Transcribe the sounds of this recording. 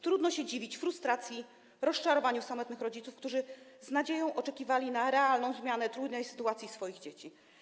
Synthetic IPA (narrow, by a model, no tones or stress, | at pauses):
t̪ɾud̪nɔɕɛd͡ʑivʲit͡ɕfɾust̪ɾat̪sʲji | ɾɔst͡ʂaɾɔvaɲusamɔt̪nɘxɾɔd͡ʑit̪ufkt̪uʐɘznad͡ʑejɔ̃w̃ʔɔt͡ʂɛkʲivalʲinaɾɛalnɔ̃w̃zmʲjanɛt̪ɾud̪nɛjsɘ̥t̪uat̪sʲisfɔjiɣd͡ʑet͡ɕi